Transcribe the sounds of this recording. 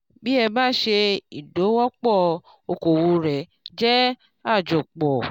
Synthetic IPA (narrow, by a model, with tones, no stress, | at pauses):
bi˦ɛ˧ba˦ʃe˧i˨do˨˦wɔ˦k͡pɔ˦˨ | o˧ko˨wu˧ɾɛ˨d͡ʒɛ˦ | a˦˨d͡ʒo˨k͡pɔ˨